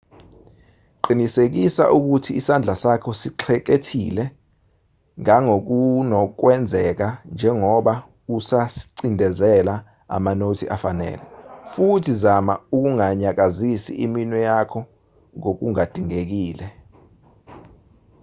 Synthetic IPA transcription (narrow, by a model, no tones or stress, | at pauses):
ǃinisek̬isa̰ʔuk̬utʰiːsand͡ɮʱasakʰɔsiǁʰɛk̬etʰilɛ | ŋaŋok̬unɔk̬wɛnd͡zʱɛk̬and͡ʒʱɛŋɔɓa | usasi̥ǀindʱɛzɛla | a̰manotʰiʔafanɛ̰ːlɛfutʰizama̰uk̬uŋaɲak̬azisḭʔiminwɛjakʰɔ | ŋok̬uŋad̥ʱiŋek̬iːlɛ